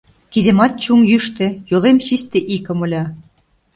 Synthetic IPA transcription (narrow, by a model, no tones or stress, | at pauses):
kiðĕmɑt̪̚t͡ɕuŋjyʃt̪ĕjolemɕist̪eʔikɤ̆mɤ̆lʲɑ